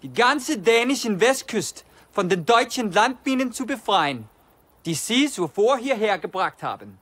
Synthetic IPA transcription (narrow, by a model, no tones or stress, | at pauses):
d̥iːɡant͡sədɛːnɪʃɪnvɛst̚kʰʏst | fɔndendɔʏt͡ʃənlant̚b̥iːnənt͡subəfʁ̥aɪən | d̥isiːsofoɐɦiːɐɦeːɐɡ̥əb̥ʁaχtha̰ːb̥ən